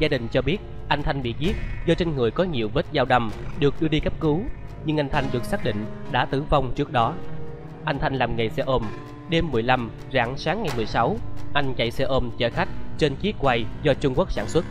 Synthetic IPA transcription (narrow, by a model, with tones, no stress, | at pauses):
zaː˧ɗï˨˩ŋ̟t͡ɕɔ˧ɓi˦˥ət̚ | ʔa˧jŋ̟t̪ʰa˧jŋ̟ɓḭ˧˨zi˦˥ət̚zɔ˧t͡ɕe˧nŋɨ˨˩əjkɔ˨˦ɲi˨˩əwvə˦˥t̚zaː˧wɗə˧˩mɗɨ˨˩ək̚ɗɨ˧əɗi˧kə˦˥p̚kɨ˨˦ɲɨ˧ŋʔa˧jŋ̟t̪ʰa˧jŋ̟ɗɨ˨˩ək̚saː˦˥k̚ɗḭ˧˨ŋ̟ɗa̰ː˧˥t̪ɨ˧˩va˧wŋ͡mt͡ɕɨ˦˥ək̚ɗɔ˨˦ | ʔa˧jŋ̟t̪ʰa˧jŋ̟laː˨˩mŋa˨˩jsɛ˧ʔo˧m | ɗe˧mːɨ˨˩əjla˧m | za̰ː˧˩ŋsaː˨˦ŋːa˨˩jmɨ˨˩əjsa˨˦wʔa˧jŋ̟t͡ɕa̰˧˨jsɛ˧ʔo˧mt͡ɕəː˧˩xa˦˥k̟̚t͡ɕe˧nt͡ɕi˦˥ət̚kwa˧˩jzɔ˧t͡ɕʊ˧ŋ͡mku˦˥ək̚saː˧˩nswə˦˥t̚